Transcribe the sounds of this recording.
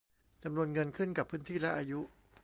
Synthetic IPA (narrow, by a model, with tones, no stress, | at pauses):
t͡ɕa˧mnu˧ənŋɤ˧nkʰɯ˥˩nka˨˩pʰːɯː˦˥nt̪ʰiː˥˩lɛ˦˥ʔaː˧ju˦˥ʔ